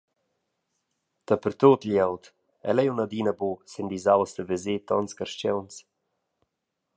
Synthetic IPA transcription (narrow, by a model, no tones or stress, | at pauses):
t̪apəɾt̪ot̪ljɛwt̪ | ɛ̰lɛjunad̪inabosend̪izawsd̪əvezet̪ɔnskaɾʃt͡ʃɛwns